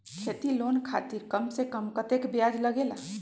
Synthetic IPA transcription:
kʰet̪ilonkʰa̰t̪iɾkəmsekəmkət̪ekbjad͡ʒləɡela

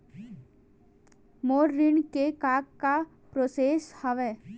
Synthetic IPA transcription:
moːɾːɪɳkekaːkka | pɾoseːshəʋeː

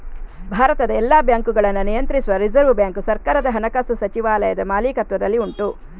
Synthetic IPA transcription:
bʱaːɾɐt̪ɐd̪ɐɛlːaːbjaːŋkuɡɐɭɐnːunijɐnt̪ɾisuʋɐɾid͡ʒɐɾʋubjaːŋkusɐɾkaːɾɐd̪ɐɦɐnɐkaːsusɐt͡ʃiʋaːlɐjɐd̪ɐmaːliːkɐt̪ʋɐd̪ɐlːiuɳʈu

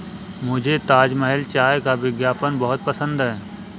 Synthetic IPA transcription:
mʊd͡ʒʱet̪aːd͡ʒməɦɪlt͡ʃaːjkaʋɪɡjaːpənbɐɦʊt̪̚pəsə̃nd̪ɦɛː

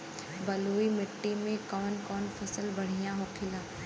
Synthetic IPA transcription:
bɐloːimɪʈːimẽkɔːnkɔːnfʰɐsəlbɐɽ̤ijãɦokʰɪlaː

